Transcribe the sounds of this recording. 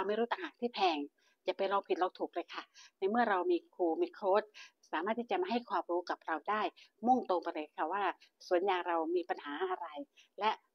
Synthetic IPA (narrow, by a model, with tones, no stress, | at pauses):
ɾa˧wma˥˩jɾuː˦˥t̪a˨˧ŋhaː˨˩˦ŋt̪ʰiː˥˩pʰɛː˧ŋ | t͡ɕa˨˩pa˧jɾa˧wpʰi˨˩t̪̚ɾa˧wt̪ʰuː˨˩k̚lɤː˧jkʰa˥˩na˧jmɯ˥˩ɐɾa˧wmiː˧kʰuː˧mi˧kʰɾoː˦˥t̪̚saː˨˦maː˥˩t̪ːʰiː˥˩t͡ɕa˨ma˧˩ha˥˩jkʰwaː˧mɾuː˦˥ka˨˩p̚ɾa˧wdaː˥˩jmo˥˩ŋt̪o˧ŋpa˧jlɤː˧jkʰa˥˩waː˥˩su˨˩˦ənjaː˨˩ŋɾa˧wmiː˧pa˧nhaː˩˦ʔa˧ɾa˧jlɛ˦˥ʔ